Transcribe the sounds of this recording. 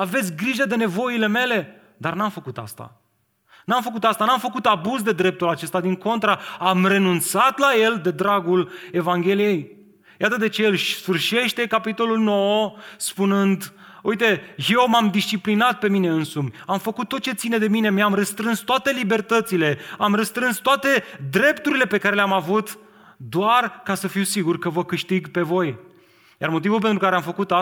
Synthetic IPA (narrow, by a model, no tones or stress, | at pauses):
ave̞t̪sʲɡɾiʒəd̪e̞ne̞vo̞ile̞me̞le̞ | d̪arnamfəkut̪a̰st̪a̰ | namfəkut̪ast̪anamfəkut̪abuzd̪e̞d̪ɾe̞p̚t̪ulat͡ʃe̞st̪ad̪iŋko̞nt̪ɾaamre̞nunt̪sat̪laje̞ld̪e̞d̪ɾaɡule̞vaŋɡʲe̞lije̞j | jat̪əd̪e̞t͡ʃe̞ɨlʃsfɨrʃe̞ʃt̪e̞kapit̪o̞lulno̞wspunɨnd̪ujt̪e̞je̞wmamd̪ist͡ʃiplinat̪̚pe̞mine̞ɨnsumʲamfəkut̪ːo̞t̪̚t͡ʃe̞t̪sine̞d̪e̞mine̞meamrəst̪ɾɨnst̪oat̪e̞libe̞rt̪ət̪sile̞amrəst̪ɾɨnst̪oat̪e̞d̪ɾe̞pt̪uɾile̞pe̞kaɾe̞leamavut̪ | d̪oarkasəfiwsiɡurkəvəkɨʃt̪iɡpe̞vo̞j | jarmo̞t̪̬ivulpent̪ɾukaɾeamfəkut̪a